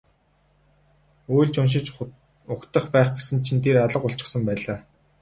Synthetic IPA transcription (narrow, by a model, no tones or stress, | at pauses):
ujɮt͡ɕʊnʃ̬ɪ̆t͡ɕ | ʊkt̪ə̆χpæːχɡesɘ̆nt͡ɕʰĭnt̪ʰeraɮə̆qʊɬt͡ɕɪ̥̆χsə̆mpæːɮaː